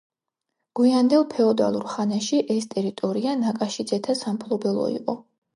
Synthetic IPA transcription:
ɡ̥uiand̪ɛlˠpʰɛɔd̪a̰lˠuɾχanɛʃiʔɛst̪ʼɛɾit̪ʼɔɾianakʼaʃid̪zɛt̪ʰasampʰlˠɔbɛlˠɔ̰ḭqʼɔ

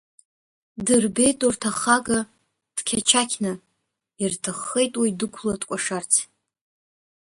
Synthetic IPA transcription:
dɨrbe̞jtʼurtʰaχaɡa | d̥kʲʰat͡ʃʰakʲʰnɨ | irtʰɨχːe̞jtʼwidɨkʷʰlatʼkʷʼaʂart͡sʰ

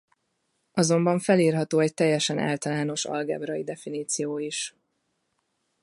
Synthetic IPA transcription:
ʔɒzo̞mbɒɱfɛliːrɦɒt̪oːɛc̚t̪ɛjːɛʃɛnʔa̰ːlt̪ɒlaːno̞ʃɒ̰lɡɛ̰bɾɒid̪ɛfiniːt̪sijoːiʃ

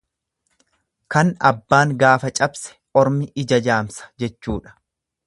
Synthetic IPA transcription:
kɐnɐ̰bːaːŋɡaːfɐt͡ʃʼɐbsɛ̥ʔɔɾmɪʔɪd͡ʒɐd͡ʒaːmsɐ̥d͡ʒɛt͡ʃːuːᶑɐ̥

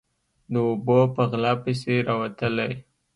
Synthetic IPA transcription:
d̪əobopəɣlɑpəseɾɑwat̪əlaj

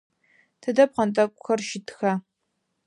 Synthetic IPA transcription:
tʰɨdɐp̚qɐntʼɐkʷʼʊxɐrʃɪtʰxɐ

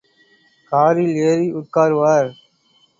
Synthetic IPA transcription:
kaːɾileːɾiʔʊʈ̚kaːɾɯʋaːɾ

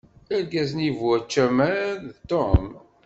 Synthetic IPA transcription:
əɾɡæznivwæt͡ʃːæmæðt̪om

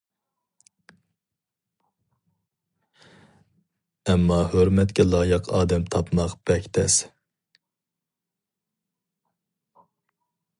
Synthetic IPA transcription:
ɛmːɑhøɾmɛt̪kʲɛlˠɑːjəqʰɑ̰ːd̪ɛmt̪ʰɑpmɑqb̥ɛkʲt̪ʰɛs

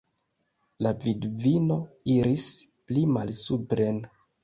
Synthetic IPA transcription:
lavidvino̞iɾisplimalsupɾen

